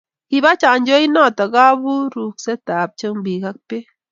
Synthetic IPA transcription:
ki˧βa˦t͡ʃa˨nd͡ʒo˦i˦na˦˨t̪a˨ɡa˦bu˦ɾu˨kse˦t̪a˨p̚t͡ʃə˦mbi˨ɡa˦k̚pe˦

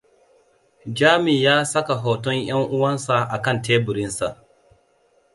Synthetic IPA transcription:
d͡ʒaː˦mi˨jaː˦sɐ˦ka˨ɦɔ˨tɔ˦ɲj̰a˦ŋʔʊ˦wɐ˦nsa˨ʔa˨kɐ˦˨nteː˦bʊ˨ɾɪ˦nsa˨ʔ

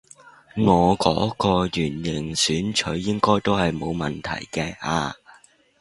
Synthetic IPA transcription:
ŋɔː˨˧kɔ̰ː˨˥kɔː˧jyː˨˩njɪ˨˩ŋsyː˨˥nt͡ʃʰɵ˨˥ɥːɪ˥ŋkɔː˥jt̪o˥whɐ˨jmo˨˧wmɐ˨˩nt̪ʰɐ̰˨˩jkɛː˧ʔaː˧

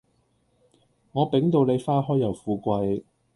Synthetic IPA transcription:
ŋɔː˨˧pe˨˥ŋt̪o˧wne˨˧jfaː˥ɦɔː˥jːɐ˨˩wfuː˨˧kʷɐ˧j

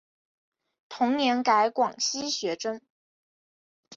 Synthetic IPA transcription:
t̪ʰʊ˧˥ŋnjɛ˧˥nka˧˥ɪkwɑ˨˩ŋɕi˥ɕɥɛ˧˥ʈ͡ʂə˥n

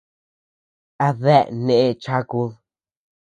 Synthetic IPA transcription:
a˧ðɛ˦˨ʔnẽ˦˨e˧t͡ʃa˦ku˧

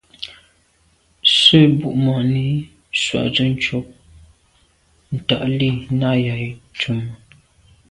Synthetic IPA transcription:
sə˦bu˨ʔmɔ˨ni˦ | swa̰˨ʔt͡sə˦n̩˦t͡ʃo˦p̚ | n̩˨ta˨ʔli˦˨na˦˨ja˨t͡ʃu˨mə˨

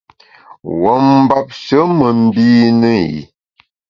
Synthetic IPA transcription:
wɔ˨˦m̩˦ba˦p̚ʃə˨˦mə˨m̩˦biː˦nə˦jḭ˨

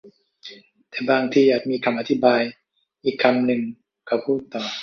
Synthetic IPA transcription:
t̪ɛː˨˩baː˧ŋt̪ʰiː˧jaː˨˩k̚miː˧kʰa˧mʔa˧t̪ʰi˦˥˩baː˧j | ʔiː˨˩kʰːa˧mnɯ˨˩ŋ | kʰa˧˩pʰuː˥˩t̪ːɔː˨˩

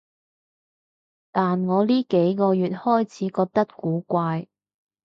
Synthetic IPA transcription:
t̪aː˨nŋɔː˨˧liː˥ke˨˥jkɔː˧jyː˨t̚hɔː˥jt͡sʰiː˨˥kɔː˧k̚t̪ɐ˥t̚kuː˨˥kʷaː˧j

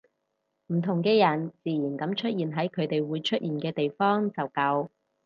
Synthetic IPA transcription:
m̩˨˩t̪ʰʊ˨˩ŋkɛː˧jɐ˨˩nt͡siː˨ji˨˩nkɐ˨˥mt͡ʃʰɵ˥t̚jiː˨nɦɐ˨˥jkʰɵ˨˧ɥt̪e˨jwuː˨˧jt͡ʃʰɵ˥t̚ʔjiː˨nkɛː˧t̪e˨jfɔː˥ŋt͡sɐ˨wkɐ˧w

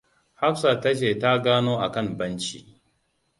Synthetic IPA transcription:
ha˦ɸsa˨tɐ˦ʃeː˨ta˦ɡaː˦noː˦ʔa˨kɐ˦˨mbɐ˦nt͡ʃḭː˦

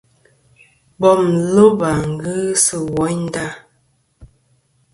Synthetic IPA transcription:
bɔ˨mlo˦ba˨ŋ˨ɡɨ˦sə˨wɔ˨˦ɲn˦da˦˨

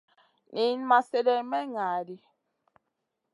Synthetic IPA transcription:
ni˨˦n˦ma˨se˦dɛ˦mɛ˦ŋaː˨di˦

